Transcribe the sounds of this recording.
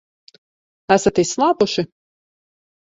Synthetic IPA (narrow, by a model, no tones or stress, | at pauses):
æsat̪isːlˠɑːpuʃɪ